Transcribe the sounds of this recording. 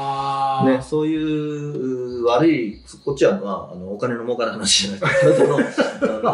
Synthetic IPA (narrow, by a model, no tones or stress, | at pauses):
ne̞so̞ːjɯ̟ː | βaɾɯi | ko̞t͡ɕiamaa̰no̞ːkane̞no̞mo̞ːkanaɦanaɕiʑanasd̪ot̪ono